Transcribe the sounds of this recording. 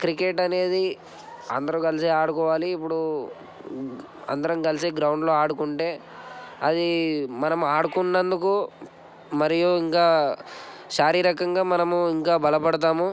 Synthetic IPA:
kɾikeʈɐne̞ːd̪i | ɐnd̪ɐɾukɐliseːaːɽukɔːʋaːliːp̬ːuɽu | ɐ̰nd̪ɐɾɐmkɐliseːɡɾɐwɳɖlo̞ːaːɽukuɳʈe̞ː | ɐd̪imɐnɐmuaːɽukunːɐnd̪uku | mɐɾijuiŋkaː | ʃaːɾiːɾɐkɐŋɡaːmɐnɐmuiŋkaːbɐlɐpɐɽɐt̪̬aːmu

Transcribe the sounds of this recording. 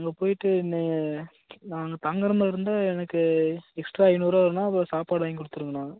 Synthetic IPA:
nːŋɡɐpoːjɪʈːɯɪnːɐ | naːŋɡɐt̪ɐŋɡɐɾɐmɐɪɾɯnd̪aːɛnɐkːɯɛksʈɾaːɐɪnuːɾaːɪɾɯnaːɐpːlɐsaːpaːɽaːŋɡɪkʊɽɯt̪ːɯɾɯŋɡɐnaːŋɡɐ

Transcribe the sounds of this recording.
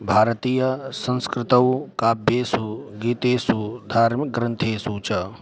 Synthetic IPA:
bʱaːɾɐt̪iːjɐsɐ̃nskɾɪt̪ɐwkaːbjeːsuɡiːt̪eːsud̪ʱaːɾmik̚ɡɾɐnt̪ʰeːsuːt͡ʃɐ

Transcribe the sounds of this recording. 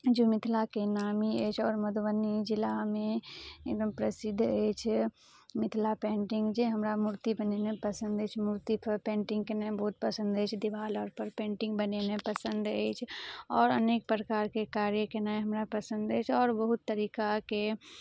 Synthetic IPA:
d͡ʒomɪt̪ʰlakenaːmiət͡ʃʰɔːɾməd̪ʋənːid͡ʒɪlamẽḛd̪əmpɾəsɪd̪ʱːəjt͡ʃʰ | mɪt̪ʰlapẽːɳʈɪ̃ŋɡd͡ʒeɦəmɾamuɾt̪ibənenepəsə̃nd̪ət͡ʃʰmuɾt̪ipʰəɾpẽːɳʈĩŋɡ̚kenaẽbəɦut̪̚pəsə̃nd̪əjt͡ʃʰd̪iʋaːlɔːɾpəɾpẽːɳʈɪ̃ŋɡbənenepəsənd̪ə̰jt͡ʃʰɔːɾəneːk̚pɾəkaːɾkekaːɾjəkenaẽɦəmɾapəsə̃nd̪əjt͡ʃʰɔːɾbəɦut̪ːəɾiːkake

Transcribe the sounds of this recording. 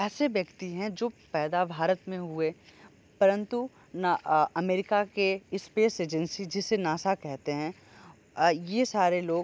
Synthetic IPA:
ɛːseʋjɐkt̪iɦɛ̃d͡ʒoːpɛːd̪abʱaːɾət̪mẽɦʊe | pɐɾə̃nt̪u | naɐmeːɾɪkakeɪspeːseːd͡ʒə̃nsid͡ʒɪsːenaːsakɛɦt̪eɦɛ̃ | jesaːɾeloːɡ

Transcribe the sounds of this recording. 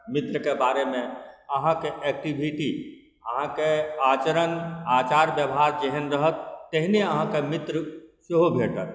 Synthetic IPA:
mɪt̪ɾəkebaːɾemẽəɦãkeʔɛk̚ʈibʱiʈi | əɦãkeaːt͡ʃəɾənaːt͡ʃaːɾbjəʋɦaɾd͡ʒeɦənɾəɦət̪̚ːeɦineəɦãkemɪt̪ɾəsuɦobʱeːʈət̪̚

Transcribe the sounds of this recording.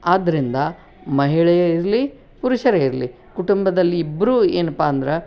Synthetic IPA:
aːd̪ːɐɾind̪ɐ | mɐɦiɭɐjɐiɾli | puɾuʃɐɾeiɾli | kuʈumbɐd̪ɐlːiːbːɐɾuːeːnɐpːaːnd̪ɐɾe

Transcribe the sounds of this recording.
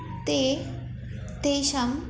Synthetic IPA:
t̪e | t̪eɕɐm

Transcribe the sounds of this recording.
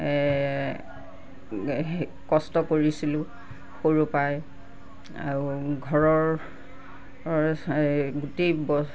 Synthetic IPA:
kɔstɔkoɹisilʊ̃ | xoɹupaj | a̰ɹuɡʱɔɹɔɹ | ɡutebɔ

